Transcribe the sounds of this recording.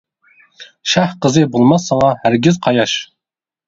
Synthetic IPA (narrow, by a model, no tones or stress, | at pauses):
ʃæhqəzɨbolˠmɑsːɑŋɑhæɾɡʲɪzqʰɑjɑʃ